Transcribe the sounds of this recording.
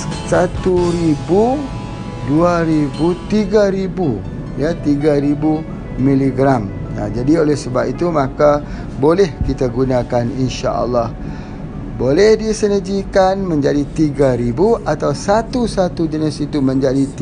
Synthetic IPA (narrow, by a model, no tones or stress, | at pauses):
sat̪uɾibu | duaɾibut̪iɡaɾibu | jat̪iɡaɾibu | mĩliɡɾam | a̰d͡ʒadiolɛhsəbap̚it̪umãka | bolɛhkit̪aɡunãkaninʃa̰ʔə̰lːah | bolɛhdisənəd͡ʒikanmə̃ɲd͡ʒadit̪iɡaɾibuʔat̪awsat̪usat̪ud͡ʒənəsit̪umə̃ɲd͡ʒadit̪